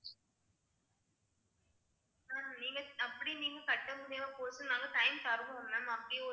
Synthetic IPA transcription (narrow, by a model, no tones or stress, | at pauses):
aːniːŋɡɐɐpːɐɽiniːŋɡɐkɐʈːɐmʊɽɐjʋɐpoːsɯnaːŋɡɐʈɐɪmt̪ɐɾɯʋɐɐmːɐmɐpːɐɽɪjɔ